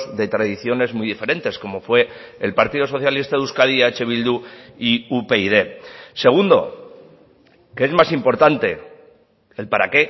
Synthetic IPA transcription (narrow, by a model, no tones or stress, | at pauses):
zðe̞t̪ɾaðiθjo̞ne̞zmujðife̞ɾe̞nt̪e̞sko̞mo̞fwe̞ː | lpaɾt̪iðo̞so̞θjalist̪aðuskaðiat͡ʃeβild̪uiupe̞iðe̞se̞ɣ̞und̪o̞̰ | kee̞zmasimpo̞ɾt̪ant̪e̞ | elpaɾa̰ke̞